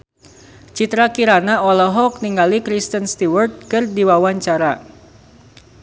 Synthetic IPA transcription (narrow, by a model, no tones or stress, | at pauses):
t͡ʃit̪ɾakiɾanaɔlɔɦɔk̚niŋɡalikɾist̪ənst̪iwərt̪̚kɨrdiwawaɲt͡ʃaɾa